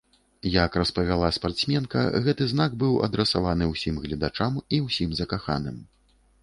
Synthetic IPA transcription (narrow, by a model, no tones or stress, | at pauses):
jakrɐspɐvʲalˠaspart̪smʲɛnkɐ̰ɣɛt̪ɨznaɡbɨwɐ̰d̪ɾɛsavanɨwsʲimɣlʲɛd̪at͡ʂamiwsʲimzɐkaxa̰nɨm